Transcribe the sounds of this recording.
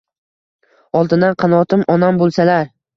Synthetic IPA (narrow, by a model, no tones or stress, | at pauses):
ɒlˠd̪ɪnd̪anqʰɑnɒt̪ʰɪmɒnambolˠsalaɾ